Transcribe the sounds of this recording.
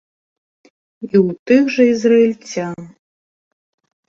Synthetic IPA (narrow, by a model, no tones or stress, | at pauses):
iwt̪ɨxʐɐizrɐilʲt͡sʲan